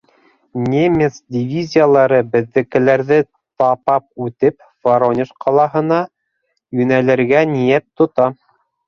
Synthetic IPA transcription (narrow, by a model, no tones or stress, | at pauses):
nʲemʲet̪sdʲɪvʲizʲijalˠɑɾɤbɘ̆ðːɘ̆kɘ̆læɾðɘ | t̪ɑpɑp̚ʉt̪ɘp | faɾonʲɪʃqʰɑlˠɑɦɤ̆nɑ | jɵnælɘ̆ɾɡænijæt̪ːŏt̪ɑ